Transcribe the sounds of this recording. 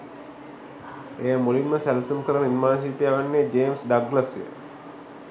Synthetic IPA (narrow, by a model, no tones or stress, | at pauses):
ejəmolinməsælsumkəɾənəinmaːs̬iːpijaːʋanːeːd͡ʒeːmsɖaɡlasijə̰